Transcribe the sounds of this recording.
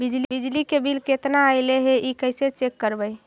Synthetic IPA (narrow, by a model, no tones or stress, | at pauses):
bid͡ʒlibid͡ʒlikebilket̪naaɪleɦeʔikəɪset͡ʃekːəɾbəj